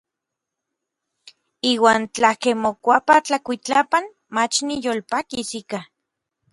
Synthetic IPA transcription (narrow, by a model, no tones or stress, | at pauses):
iːwaːnt͡ɬakemokʷapat͡ɬakʷit͡ɬapan | mat͡ʃnijolpakisika